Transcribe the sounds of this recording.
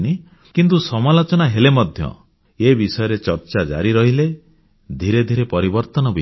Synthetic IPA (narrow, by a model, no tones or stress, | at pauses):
ni | kint̪̬usɔmalot͡ʃɔnaɦelemɔd̪ʱjɔ̰ | ebisɔjɔɾet͡ʃɔɾt͡ʃad͡ʒa̰ɾiɾɔɦile | d̪ʱiɾed̪ʱiɾepɔɾibɔɾt̪ɔnɔbi